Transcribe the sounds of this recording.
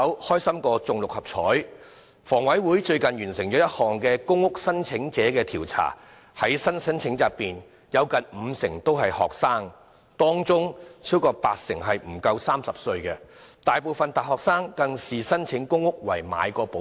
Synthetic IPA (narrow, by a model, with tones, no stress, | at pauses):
ɐ˧˥whɔː˥jsɐ˥mkɔː˧t͡sʊ˨ŋlʊ˨k̚hɐ˨˩p̚t͡sʰɔː˨˥j | fɔː˨˩ŋwɐ˨˥jwuː˨˥jt͡ʃɵ˧ɥkɐ˨njyː˨˩nsɪ˨˩ŋt͡ʃɔː˨˥jɐ˥t̚hɔː˨˩ŋkɛː˧kʊ˥ŋːʊ˥k̚sɐ˥nt͡sʰɪ˨˧˥ŋt͡sɛː˨˥kɛː˧t̪ʰiː˨˩wt͡sʰa̰ː˨˩ | hɐ˨˥jsɐ˥nt͡sʰɐ˥nt͡sʰɪ˨˥ŋt͡saː˨piː˨n | jɐ˨˧wkɐ˨nm̩ː˨˧sɪ˨˩ŋt̪o˥whɐ˨jhɔ̰ː˨k̚saː˥ŋ | t̪ɔː˥ŋt͡sʊ˥ŋt͡sʰiː˥wkɔː˧pa̰ː˧t̚sɪ˨˩ŋɦɐ˨jm̩˨˩kɐ˧wsaː˥msɐ˨p̚sɵ˧ɥkɛ˧t̪aː˨jpo˨wfɐ˨nt̪aː˨˩hɔː˨k̚saː˥ŋkɐ˧ŋsiː˨˩sɐ˥nt͡ʃʰɪ˨˥ŋkʊ˥ŋːʊ˥k̚wɐ̰˨˩jma̰ː˨˧jkɔː˧po˨˥